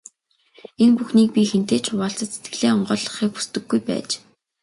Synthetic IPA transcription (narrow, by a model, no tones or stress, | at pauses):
enpuxniːk̚pʲixen̥t̪eːt͡ɕʰʊʁaːɬt͡sə̆t̪set̪ɡɘ̆ɮeːɔɴɢœːɮɞ̆χiːk̚xu̥st̪ɘ̆ɡːujpæ̰ːt͡ɕ